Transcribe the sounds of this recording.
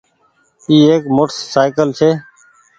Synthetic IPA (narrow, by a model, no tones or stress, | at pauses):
iːeːkmoːʈsːaːɪkəlt͡ʃʰeː